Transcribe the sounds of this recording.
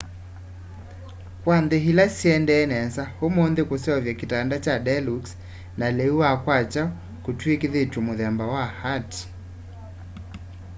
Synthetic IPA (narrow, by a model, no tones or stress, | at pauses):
kwandeɦilasiɛndɛːnɛsahomondekusɛɔvjakitandat͡ʃadɛluks | nalɛuwakwat͡ʃa | kutwekiðetumuðɛmbawahati̥